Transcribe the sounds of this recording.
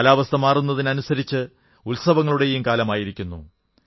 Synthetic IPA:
laːʋɐst̪ɐmaːrunːɐðinɐnusɐɾit͡ɕːɨ | ulsɐʋɐŋːɐɭuɽe̞jumkaːlɐmaːjiɾikʲːunːṵ

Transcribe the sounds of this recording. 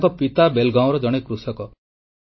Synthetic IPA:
kɔpit̪abelɡãw̃ɾɔd͡ʒɔɽ̃ekɾusɔkɔ

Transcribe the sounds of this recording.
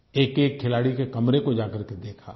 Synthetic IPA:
eːkeːkʰːɪlaːɽikekɐmɾekod͡ʒaːkɐɾked̪eːkʰa̰ː

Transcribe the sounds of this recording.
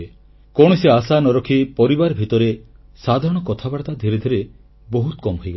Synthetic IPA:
e | koɽ̃iseasanɔɾɔkʰipɔɾibaɾbʱit̪ɔɾe | sad̪ʱaɾɔɽ̃ɔkɔt̪ʰabaɽt̪ad̪ʱiɾed̪ʱiɾe | bɔɦut̪ɔ̥kɔmɦojɡa

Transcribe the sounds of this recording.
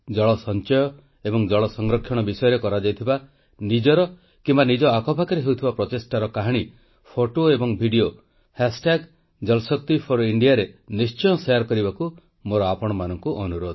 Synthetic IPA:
d͡ʒɔɭɔsɔnt͡ʃɔjɔ | ebɔŋd͡ʒɔɭɔsɔŋɾɔkʰjɔɽ̃ɔbisɔjɔɾekɔɾad͡ʒajt̪ʰiba | nid͡ʒɔɾɔ | kimbanid͡ʒɔakʰɔpʰakɔɾeɦewt̪ʰibapɾɔt̪esʈaɾɔkaɦaɽ̃i | pʰoʈoebɔŋbʱiɖio | hasʈaɡ | d͡ʒɔlsɔkt̪ipʰɔɾiɳɖijaɾenist͡ʃɔjɔsejaɾkɔɾibaku | moɾɔapɔɽ̃ɔmanɔŋkuʔɔnuɾod̪ɔ

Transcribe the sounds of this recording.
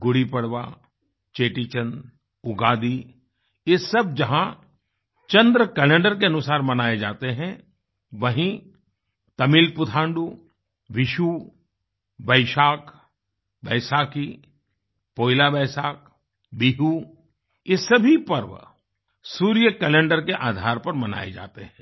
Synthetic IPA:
ɡʊɽipɐɽʋa̰ | t͡ʃeːʈit͡ʃə̃n | ʊɡaːd̪i | jesɐbd͡ʒɐɦã | t͡ʃɐ̃nd̪ɾəkɛlẽːɳɖəɾkeɐnʊsaːɾmɐnaːed͡ʒa̰ːt̪eɦɛ̃ | ʋɐɦĩ | t̪ɐmilpʊt̪ʰãːɳɖu | ʋɪʃu | bɐɪʃaːk | bɛːɪsaːki | poːɪlabɛːsaːk | biːɦu | jesɐbʱipɐɾʋ | suːɾijəkɛlẽːɳɖəɾkeʔaːd̪ʱaːɾpɐɾmɐna̰ːḛd͡ʒa̰ːt̪eɦɛ̃ː

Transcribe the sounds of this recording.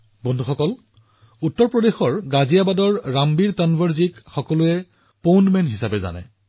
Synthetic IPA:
bɔndʱuxɔkɔl | utːɔɹpɹɔdexɔɹɡazijabadɔɹːambiɹtanbʱɔɹzikxɔkɔlʊɛ | pownmɛntɦisabɛza̰nɛ̰

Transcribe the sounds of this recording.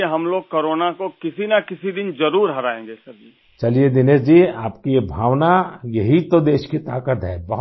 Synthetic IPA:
eɦɐmloːɡ̚koːɾoːnakokɪsinakɪsid̪ɪnzɐɾuːɾɦɐɾaːẽːŋɡesɐbi | t͡ʃɐlied̪ɪneːsd͡ʒiːaːpkiebʱaːʋnajɐɦit̪od̪eːʃkit̪aːkət̪ɦɛːbɐɦ

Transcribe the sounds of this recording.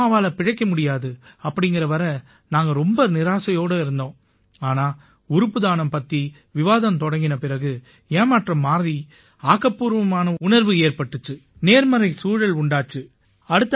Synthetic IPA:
aːʋaːlɐpɪɻɐɪkːɐmʊɽɪjaːðɯɐpːɐɽɪŋɡɪɾɐʋɐɾɐ | naːŋɡɐɾɔmbɐnɪɾaːsɐjoːɽɐɪɾɯnd̪õː | aːnaː | ʊɾɯpːɯðaːnɐmpɐt̪ːi | ʋɪʋaːðɐmt̪ɔɽɐŋɡɪnɐpɪɾɐɣɯ | eːmaʈrɐmːaːɾɾi | aːkːɐpːuːɾʋɐmaːnɐʊnɐɾʋɯeːɾpɐʈːɯt͡ʃːɯneːɾmɐɾɐɪsuːɻɐlʊɳɖaːt͡ʃːɯ | ɐɽɯt̪ːɐ

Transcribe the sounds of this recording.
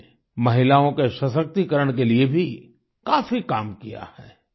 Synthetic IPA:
mɐɦɪlaːõkeʃɐsək̚t̪ikɐɾəɽ̃k̬eliebʱi | kaːfikaːmkija̰hɛː

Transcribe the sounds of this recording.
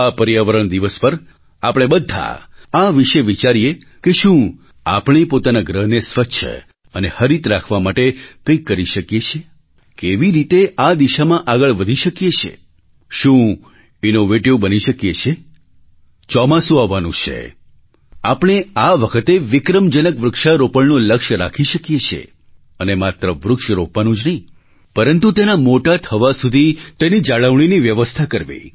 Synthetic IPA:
apəɾijaʋəɾəɳd̪iʋəspəɾ | apəɽ̃ebəd̪ʱːa̰aʋiʃeʋit͡ʃaɾije | keʃũ | apɳ̃epot̪anaɡɾəɦnesʋəʃʰə̰ | ənehəɾit̪ɾakʰʋamaʈekə̃jkːəɾiʃəkjet͡ʃʰe | keʋiɾit̪eʔad̪iʃamãʔaɡəɭʋəd̪ʱiʃəkjet͡ʃʰḛ | ʃũ | inoʋeʈiʋbəniʃəkjet͡ʃʰe | t͡ʃɔmãsũaʋːanũt͡ʃʰḛ | apɳ̃eaʋəkʰət̪eʋɪkɾəmd͡ʒənəkʋɾʊkʃaɾopəɭnoləkʃɾa̰kʰiʃəkjet͡ʃʰḛ | ənemat̪ɾəʋɾʊkʃɾopʋanũd͡ʒnəɦĩ | pəɾənt̪ut̪enamoʈat̪ʰəʋasud̪ʱit̪enid͡ʒaɭəʋɳ̃iniʋjəʋəst̪ʰakəɾʋḛ

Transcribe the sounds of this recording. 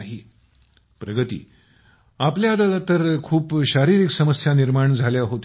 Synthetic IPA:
ɦi | pɾəɡət̪ḭː | apljad̪alat̪əɾkʰuːpɕaɾiɾiːksəməsjaniɾmaɳd͡zʱaljaɦot̪e

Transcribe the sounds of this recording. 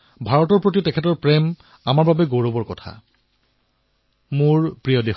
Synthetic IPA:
bʱaɹɔtɔɹpɹot̬itɛkʰɛtɔɹpɹɛm | amaɹbabɛɡoɹobɔɹkɔtʰa̰ | mʊɹpɹijɔdex

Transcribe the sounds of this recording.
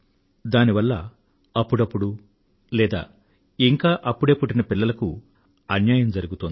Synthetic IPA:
d̪aːniʋɐlːɐ | ɐpːuɽɐpːuɽu | lɛːd̪a̰ː | iŋkaːʔɐpːuɽeːpuʈinɐpilːɐlɐku | ɐnjaːjɐmd͡ʒɐɾuɡut̪oːnd̪

